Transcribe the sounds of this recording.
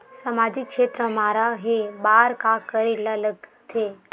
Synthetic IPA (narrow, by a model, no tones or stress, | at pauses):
samad͡ʒikːʃet̪ɾəmaɾaɦebaːɾkakəɾelələɡt̪ʰe